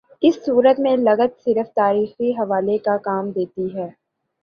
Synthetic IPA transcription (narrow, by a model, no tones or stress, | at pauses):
ɪsːuːɾət̪mẽlɐɡət̪sɪɾəft̪aːɾiːxiɦɐʋaːlekakaːmd̪eːt̪iɦɛː